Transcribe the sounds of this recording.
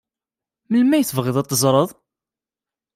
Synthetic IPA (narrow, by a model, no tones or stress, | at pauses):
məlmæjθəvʁiðˤɑt̪ˤːəzˤɾˤəðˤ